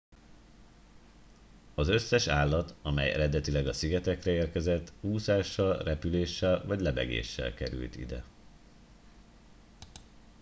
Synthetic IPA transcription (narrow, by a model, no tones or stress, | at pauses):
ɒzø̞sːɛʃaːlːɒt̪ɒmɛ̰jɛ̰ɾɛd̪ɛt̪ilɛɡɒsiɡɛt̪ɛkrɛeːrkɛzɛt̪ːhuːsaːʃːɒlrɛpyleːʃːɛlvɒɟlɛbɛ̰ɡḛːʃːɛ̰lkɛɾy̰lt̪ḭd̪ɛ̰